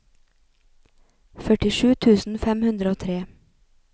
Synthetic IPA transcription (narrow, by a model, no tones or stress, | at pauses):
fœʈɪʃʉːt̪ʰʉːsn̩fɛmhʉnd̪ɾəoːt̪ʰɾeː